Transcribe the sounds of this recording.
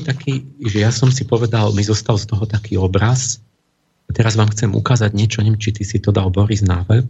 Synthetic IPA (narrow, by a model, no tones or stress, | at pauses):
t̪akʰiːʒɛjasɔmsipɔʋɛd̪almizɔst̪alst̪ɔɦɔt̪akiːɔbɾas | at̪ɛɾazʋaːmxt͡sɛmṵkaːzaɟɲɪɛt͡ʃɔɲɛmt͡ʃit̪isit̪ɔd̪albɔɾiznaʋɛʎ